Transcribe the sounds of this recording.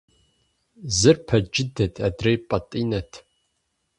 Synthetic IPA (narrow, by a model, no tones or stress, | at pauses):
zɨrpʰɐd͡ʒɪdɐtʰʼadrejpʼɐtʼinɐtʰ